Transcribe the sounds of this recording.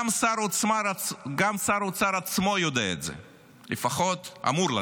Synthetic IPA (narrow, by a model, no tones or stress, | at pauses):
msaɾot͡smaaɡamsaɾot͡saɾat͡smojod̪eḛt̪zḛ | lḛfaχot̪a̰muɾla